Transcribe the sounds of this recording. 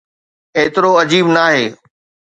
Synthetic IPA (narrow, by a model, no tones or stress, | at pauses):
eːt̪ɪɾoɐd͡ʑiːbnaːɦeː